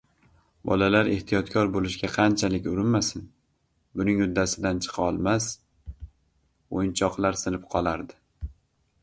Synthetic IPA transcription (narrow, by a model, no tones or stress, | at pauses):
bɒ̰lalaɾe̞ht̪ʰijɒt̪kʰʲɒɾbolɪʃɡʲaqʰɑnt͡ʃʰalɪkʲʊɾɪnmasɪn | bʊnɪŋjʊd̪ːasɪd̪ant͡ʃʰɨ̥qʰɒlˠmas | ojɪnt͡ʃʰɒqlˠaɾsɪnɪp̚qʰɒlˠaɾd̪ɪ